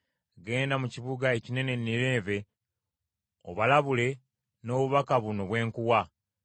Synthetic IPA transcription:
ɡe̞ːndamuciβuɡaecine̞ne̞nːiɾe̞ːve̞ | o̰βalaβule̞ | no̞ːβuβakaβuno̞βwe̞ːŋkuwa

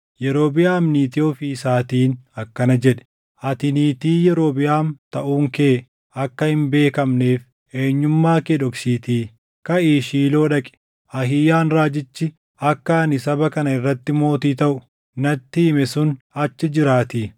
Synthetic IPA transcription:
jɛɾo̞ːbɪʔaːmniːt̪ɪoːfiːsaːt̪iːnɐkːɐnɐd͡ʒɛᶑɛ̥ | ʔɐt̪ɪniːt̪iːjɛɾo̞ːbɪjaːnt̪ɐʔuːŋke̞ː | ɐkːɐhɪmbe̞ːkɐmne̞ːf | eːɲːʊmːaːkeᶑɔksiːt̪iː | kɐʔiːʃiːlo̞ːᶑɐkʼɛ̥ | ʔɐɦɪjaːnɾaːd͡ʒɪt͡ʃːɪ | ʔɐkːɐɐnɪsɐbɐkɐnɐɪrːɐt̪ːɪmo̞ːt̪iːt̪ɐʔʊ | nɐt̪ːɪːmɛsʊn | ɐt͡ʃːɪd͡ʒɪɾaːt̪iː

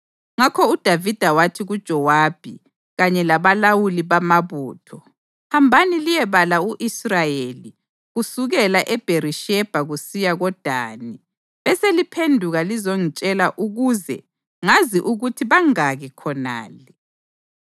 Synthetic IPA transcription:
ŋakʰɔud̥ʱavid̥ʱawatʰiɣud̥ʒ̥ʱɔwaːb̥ʱḭ | ɣaɲɛlaβalawuliβamaβuːtʰɔ | hambʱanilijɛβalauʔisrajeli | ɣusuɣɛlaʔɛb̥ʱeɾiʃɛb̥ʱaɣusijaɣɔd̥ʱaːni | βɛselipʰendʱuɣalizoŋit͡ʃʼɛlaʔuɣuzɛ̰ | ŋaziʔuɣutʰiβaŋaɣɛkʰɔna̰ːlɛ

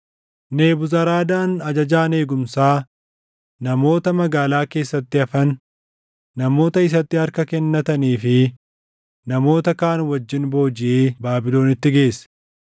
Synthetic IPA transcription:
ne̞ːbʊzɐɾaːd̪aːnɐd͡ʒɐd͡ʒaːne̞ːɡʊmsaː | nɐmo̞ːt̪ɐmɐɡaːlaːke̞ːsːɐt̪ːɪɐfɐnː | ɐmo̞ːt̪ɐɪs̬ɐt̪ːɪɐɾkɐkɛnːɐt̪ɐniːfɪ | nɐmo̞ːt̪ɐkaːnwɐd͡ʒːɪnbo̞ːd͡ʒɪʔeːbaːbɪlo̞ːnɪt̪ːɪɡe̞ːsɐ̥

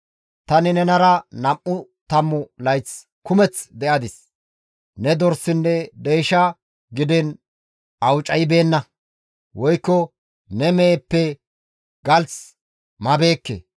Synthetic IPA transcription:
t̪ɐnɪnɛnɐɾɐnɐmʔːʊt̪ɐmːʊlɐjt͡s | kʊmɛt͡sd̪ɛʔɐd̪ɪs | nɛd̪ɔɾsːɪnːɛd̪ejːʃɐ | ɡɪd̪ɪn | ʔɐwt͡ʃʼɐjɪbe̞ːnːɐ | wɔjkːɔ | nɛmeːpːɛ | ɡɐlt͡s | mɐbe̞ːkːḛ

